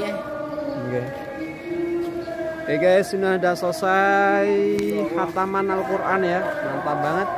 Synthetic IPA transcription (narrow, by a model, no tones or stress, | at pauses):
ɡe | ekaasunahdasosajhat̪amanalkuɾʔanjamant̪abaŋət̪̚